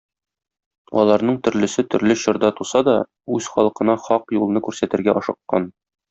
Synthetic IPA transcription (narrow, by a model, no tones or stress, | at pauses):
ɒ̰lˠɑɾnɤɴt̪ɵ̆ɾlɘ̆sɘt̪ɵ̆ɾlɘɕɤ̆ɾd̪ɑt̪usɑd̪ɒ | ʉz̥χɒlˠɤ̆qɤ̆nɑχɒqjulˠɤ̆nɤkʉɾsæt̪ɘ̆ɾɡæʔɒʃɤ̆qːɑn